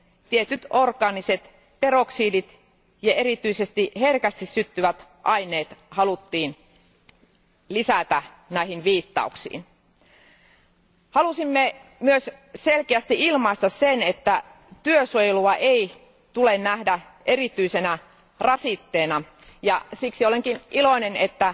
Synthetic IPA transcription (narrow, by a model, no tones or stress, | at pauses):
t̪iet̪yt̪orkɑːniset̪ | peroksiːdit̪ | jɑeɾit̪yisest̪iherkæst̪issyt̪ːyʋæt̪ʔɑineːt̪hɑlut̪ːiːn | lisæt̪æ | næihinʋiːt̪ːɑ̰uksḭːn | hɑlusimːemyøsselkeæst̪iilmɑist̪ɑssenet̪ːæ | t̪yøsojluɑʔei | t̪ulennæhdæ | ʔeɾit̪yisenæ | rɑsit̪ːeːnɑ | jɑsiksioleŋkiniloinenet̪ːæ